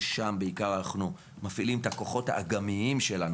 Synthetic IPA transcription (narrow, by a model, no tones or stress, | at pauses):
ʃambeikaʁaːχnu | mafilimt̪ako̞χo̞tha̰ːɡamiimʃe̞lan